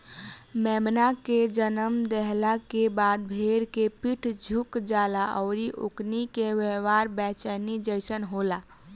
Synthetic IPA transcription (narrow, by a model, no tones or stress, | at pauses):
mɛmnaked͡ʒənəmd̪ɛɦlakebaːd̪̚bʱeɾkepiʈʰd͡ʒʱukd͡ʒaːlaʔɔʊɾiʔoknikewewaɾbɛt͡ʃənid͡ʒəɪsənɦola